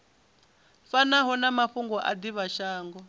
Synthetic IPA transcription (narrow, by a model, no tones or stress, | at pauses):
fanaɦɔnamaɸuŋɡɔʔa̰d̪iβaʃaːŋɡɔ